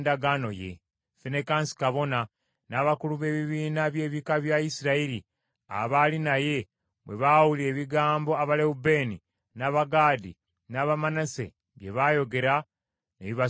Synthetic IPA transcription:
ndaɡaːno̞jḛ | fene̞kaːnsi̥kaβo̞na | naːβakuluβe̞ːβiβiːnaβje̞ːβikaβjaisiɾaiɾi | a̰βaːlinaje̞ | βwe̞̰βawulie̞ːβiɡaːmbo̞aβaleube̞ːni | naːβaɡaːdḭ | naːβamanase̞̰ | βje̞βaːjo̞ɡe̞ɾa | neβiβa

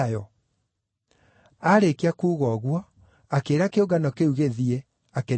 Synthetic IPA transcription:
jɔ | aɾekiakuːɣɔːɣwɔ | akeːɾakeoɡanɔkeuɣeðiɛ | ake

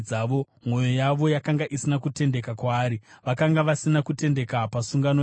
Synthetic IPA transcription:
aʋo̞ | mo̞jo̞jaʋo̞jakaŋɡaʔisinakute̞nde̞kakwaːɾiʋakaŋɡaʋasinakute̞nde̞kapasuŋɡano

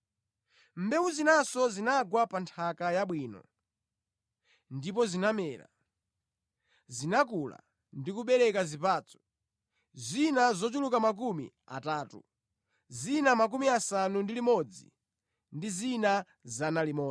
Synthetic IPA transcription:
m̩bɛwuzinasɔzinaɡwapantʰakajaɓwiːnɔ̰ | ndipɔzinamɛːɾa̰ | zinakula̰ | ndikuɓɛɾɛkazipaːt͡sɔ̥ | zinazɔt͡ʃulukamak̬umḭ | a̰taːtṵ | zinamak̬umiasanundilimɔd͡zḭ | ndizina | zanalimɔ

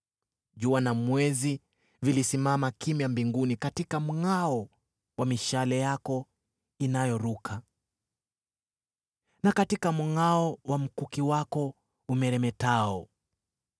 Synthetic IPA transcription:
ʄuanamwɛzi | vilisimamakimjambiŋɡunikatikam̩ŋaɔ | wamiʃalɛjakɔ | inajɔɾukʰa | nakatikam̩ŋaɔwam̩kukiwakɔ | umɛɾɛmɛtaɔ

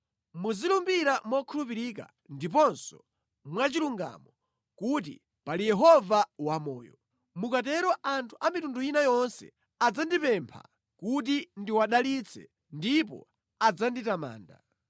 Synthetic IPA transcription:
muzilumbiɾamɔkʰulupiɾik̬a̰ | ndip̬ɔnsɔ | mwat͡ʃiluŋɡa̰mɔ | kut̬ḭ | palijɛɦɔvawamɔ̰ːjɔ̰ | mukat̬ɛɾɔʔantʰu̥ʔamitunduinajɔnsɛ̰ | ad͡zandipɛmpʰa̰ | kut̬indiwaɗalit͡sʰɛ̰ | ndipɔ̰ | ad͡zanditama̰ːnda̰

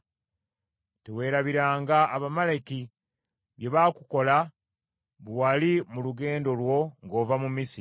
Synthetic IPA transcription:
tewe̞ːɾaβiɾaːŋɡaʔːβamaleki | βje̞βakuko̞la | βwalimuluɡe̞ːndo̞lwo̞ŋɡo̞ːvamumisi

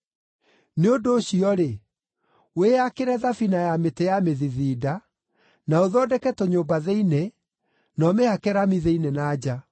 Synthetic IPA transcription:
neondoːɕiɔɾe | weakeɾɛðafinajametejameðiðiːda | naoðɔdɛkɛtoɲoːmbaðeine | nɔmehakɛɾamiðeinenaːd͡ʑa

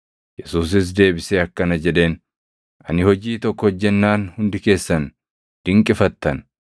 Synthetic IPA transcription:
jɛsuːs̬ɪs̬d̪e̞ːbɪseːɐkːɐnɐd͡ʒɛᶑe̞ːn | ʔɐnɪhɔd͡ʒiːt̪ɔkːɔhɔd͡ʒːɛnːaːnhʊnd̪ɪke̞ːsːɐn | d̪̥ɪŋkʼɪfɐt̪ːɐn

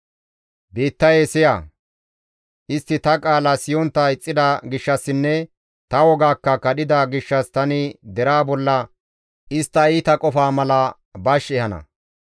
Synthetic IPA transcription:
beːt̪ːɐjesɪja̰ | ʔɪst̪ːɪt̪ɐkʼaːlɐsɪjɔnt̪ːɐɪt͡sʼːɪd̪ɐɡɪʃːɐsːɪnːɛ | t̪ɐwɔɡaːkːɐkɐɗɪd̪aɡɪʃːɐst̪ɐnɪd̪ɛɾaːbɔlːɐ | ʔɪst̪ːɐiːt̪ɐkʼɔfaːmɐlɐ | bɐʃɛhɐnɐ̰

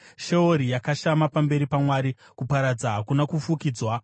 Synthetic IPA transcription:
ʃe̞oɾijakaʃamapambe̞ɾipamwaːɾi | kupaɾad͡zaɦakunakufukiːd͡zwa

